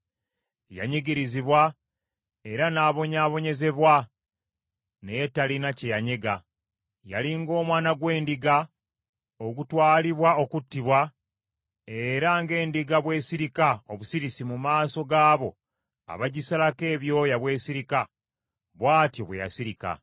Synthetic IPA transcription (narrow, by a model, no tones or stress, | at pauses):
ja̰ɲiɡiɾiziβwa | e̞ɾanaːβo̞ɲaːβo̞ɲe̞ze̞βwa | nejetːalinacejaɲe̞ɡa | ja̰liŋɡo̞ːmwaːnaɡwe̞ːndiɡa | oɡutwaːliβwao̞kutːiβwa | e̞ɾaŋɡe̞ːndiɡaβwe̞ːsiɾikaoβusiɾisimumaːso̞ɡaːβo̞ | a̰βaɟisalake̞ːβjo̞jaβwe̞ːsiɾika | βwaːtjo̞βweja̰siɾika̰